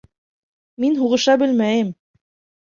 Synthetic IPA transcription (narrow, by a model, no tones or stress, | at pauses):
minɦuʁɤ̆ʃɑbɘ̆lmæjɘm